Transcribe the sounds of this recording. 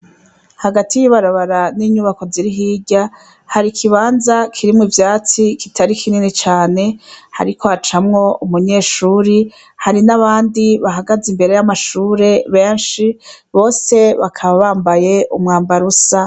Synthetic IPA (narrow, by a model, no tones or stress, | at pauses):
haɡatijiβaɾaβaɾaniːɲuβako̞ziɾiɦiːɟa | haɾikʰiβaːnzakʰiɾimŋivjaːt͡sikitʰaɾikʰininit͡ʃaːne̞ha̰ɾikʰoat͡ʃamŋo̞umuɲe̞ːʃuːɾi | haɾinaβaːndiβaɦaɡazimbe̞ɾe̞jamaʃuːɾe̞βeːnʃi | βo̞ːse̞βakʰaβaβaːmbaje̞ʔumŋaːmbaɾusa